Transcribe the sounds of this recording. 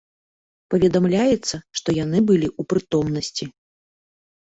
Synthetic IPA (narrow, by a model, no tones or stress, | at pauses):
pɐvʲɛd̪amlʲajɛt̪sːɐʂt̪ɔjanɨbɨlʲiʔupɾɨt̪ɔmnɐsʲt͡sʲi